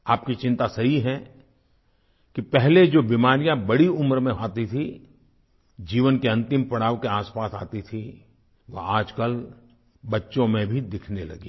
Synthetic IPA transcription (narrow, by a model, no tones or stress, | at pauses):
aːp̚kit͡ʃɪ̃nt̪asɐɦiɦɛ | kipɛɦled͡ʒoːbiːmaːɾijãbɐɽiʊmɾmẽɦaːt̪it̪ʰi | d͡ʒiːʋənkeɐ̃nt̪ɪmpɐɽaːʋkeaːspaːsa̰ːt̪it̪ʰi | ʋoaːd͡ʒkəl | bɐtːʃõmẽbʱid̪ɪkʰnelɐ̰ɡḭː